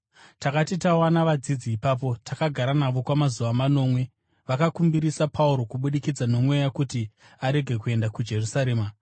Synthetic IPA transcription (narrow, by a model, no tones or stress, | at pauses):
takatitawanaʋad͡zid͡ziːpaːp̬o̞tʰakaɡʱaɾanaʋo̞kwamazuʋamano̞ːmwe̞ | ʋakakumbiɾisapʰauɾo̞kuɓuɗikid͡zano̞mwe̞jakuti | aɾe̞ɡʱe̞kue̞ndakud͡ʒe̞rusaɾe̞ːma